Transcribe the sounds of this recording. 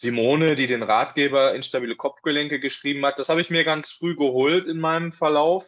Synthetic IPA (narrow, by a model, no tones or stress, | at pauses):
z̥imoːnədiːdeːnʁaːtɡ̥eːbɐɪnʃtabiːləkʰɔpfɡ̥əlɛŋkəɡəʃʁ̥iːbm̩hat̚d̥ashaːbəɪçmiːɐɡant͡sfʁ̥yːɡəɦoːltɪnmaɪnəmfɛɐlaʊf